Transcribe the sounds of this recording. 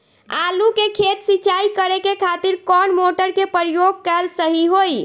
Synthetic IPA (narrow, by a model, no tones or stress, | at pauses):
alukekʰet̪sit͡ʃaikəɾekekʰat̪iɾkɔnmoʈəɾkepəɾijoɡ̚kəlsəɦiɦoj